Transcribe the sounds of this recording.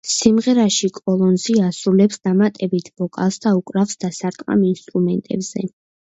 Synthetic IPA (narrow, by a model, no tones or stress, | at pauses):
simʁɛɾaʃikʼɔlˠɔnziasɾulɛpsd̪amat̪ʼɛbit̪ʰv̥ɔkʼa̰lˠsd̪aukʼɾafsd̪asaɾt̪ʼqʼa̰minst̪ʼɾumɛnt̪ʼɛ̰bz̥ɛ̰